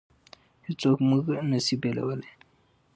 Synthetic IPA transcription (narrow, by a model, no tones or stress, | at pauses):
hit͡sokmuɡnəsibelɐ̰wəle